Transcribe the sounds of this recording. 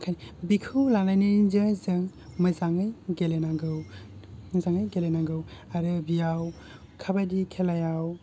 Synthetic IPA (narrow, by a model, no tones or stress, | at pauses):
kʰanibikʰɯwlanajnizɯzɯŋmɐzaŋɯjɡelenaɡɯwmɐzaŋɯjɡelenaɡɯwaɾɯbijaw | kʰabadikʰelajaw